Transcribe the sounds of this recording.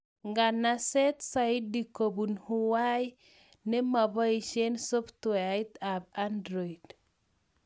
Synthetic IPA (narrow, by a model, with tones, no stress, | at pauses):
ŋɡa˨nasɛ˦t̪saɪdi˨ko˨bu˨nhu˦wa˦j | ne˦ma˨bɔ˦i˨ʃe˦nsɔ˦ft̪wait̪a˨bandɾɔ˨i˨d̥